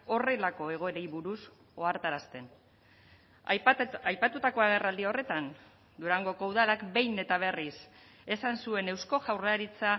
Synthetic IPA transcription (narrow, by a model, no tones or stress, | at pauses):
o̞re̞lako̞e̞ɣ̞o̞e̞ɾejβuɾus | o̞aɾt̪aɾast̪e̞n | ajpat̪ut̪ako̞aɣ̞e̞rald̪io̞re̞t̪an | d̪uɾaŋɡo̞ko̞uðalakbe̞jne̞t̪aβ̞e̞ris | e̞sansue̞ne̞wsko̞ʝawrlaɾit͡sa